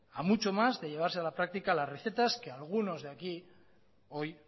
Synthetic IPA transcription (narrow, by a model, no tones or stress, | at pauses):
amut͡ʃo̞mazðe̞ʎe̞β̞aɾsealapɾak̚t̪ikalasreθe̞t̪aske̞alɣ̞uno̞zðeaki | o̞j